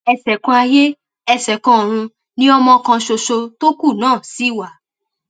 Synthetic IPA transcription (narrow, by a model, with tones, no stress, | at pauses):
ɛ˧sɛ˨kã˧a˧je˦ | ɛ˧sɛ˨kɔ̃˧˨ɾ̃ũ˧ | nĩ˦ɔ˧mɔ̃˧kã˧ʃo˧ʃo˧to˦ku˦˨nãː˦˨si˦i˦˨wa˦˨